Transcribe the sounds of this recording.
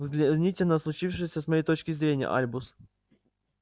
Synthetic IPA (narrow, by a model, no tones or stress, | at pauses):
vzʲlʲɪzʲnʲitʲɪlʲnəslˠʊt͡ɕifʂɨjəsʲəsmɐjejt̪ot͡ɕkʲɪzɾʲenʲɪjə̰ʔa̰lʲbʊs